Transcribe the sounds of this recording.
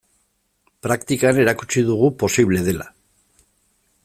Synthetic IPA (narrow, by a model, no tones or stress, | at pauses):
pɾakt̪ikane̞ɾakut͡siðuɣ̞upo̞siβle̞ð̞e̞la̰